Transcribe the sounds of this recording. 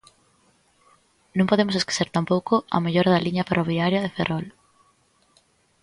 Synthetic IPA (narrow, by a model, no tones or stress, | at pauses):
nõŋpoðemʊseske̥seɾt̪ampowkʊɐ̰meʎoɾɐðɐliɲɐferʔoβiaɾjɐðeferʔɔl